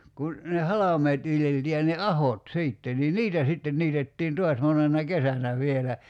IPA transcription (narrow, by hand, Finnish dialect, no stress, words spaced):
kun ne hɑlɑmˑeːt ʋiljeltiː jɑ ne ɑhot siːtːe ni niːtæ sitːen niːtetːiːn to̝ɑs monenɑ kesænæ ʋielæ